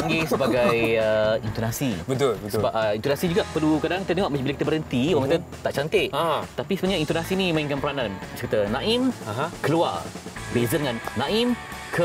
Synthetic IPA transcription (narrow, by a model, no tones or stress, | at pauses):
paŋɡesəbaɡajəint̪onasibət̪ʊlbəsəbaəint̪onasid͡ʒuɡaʔpəlukadãŋkit̪ət̪ə̃ŋaʔməbilakit̪əbəɾɦənt̪ioɣãŋkat̪ət̪aʔt͡ʃant̪ɪʔat̪apisəbənɲaint̪onasinĩmãiŋkanpəɾanãnsakit̪ənãɪmaɦkəluarbezədŋanːãɪmkʰə